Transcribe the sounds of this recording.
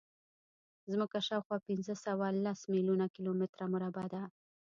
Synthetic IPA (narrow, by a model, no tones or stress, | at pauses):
zmuk̚aʃawxwɑpɪnzəsawalasmilunakilomɪt̪ɾamʊɾabad̪a